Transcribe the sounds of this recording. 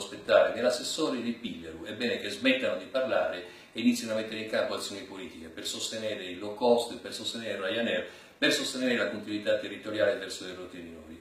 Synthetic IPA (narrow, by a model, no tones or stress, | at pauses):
spet̪ːaːɾenelasːesːɔːɾid̪epilːeɾuɛbɛːnek̟ezmɛt̪ːanod̪iparlaːɾe | einit̪sjanoameɛt̪ːeɾeiŋkampoat̪sːjoːnipoliːt̪ikepersost̪enɛːɾeilːokɔst̪persost̪enɛːɾeɾajanɛɾ | persost̪enɛːɾelakont̪inwit̪at̪ːerːit̪oɾjaːlevɛrsod̪erot̪ɾiminɔːɾi